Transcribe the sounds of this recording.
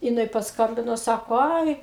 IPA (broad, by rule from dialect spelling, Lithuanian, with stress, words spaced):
jɪˈnɐɪ pɐsˈkɐmʲbʲɪnoː ˈsɑːkoː ˈɐɪ